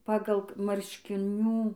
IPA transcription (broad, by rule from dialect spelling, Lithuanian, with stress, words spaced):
ˈpɑːɡɐlˠ mɐrʲʃʲkʲɪˈnʲuː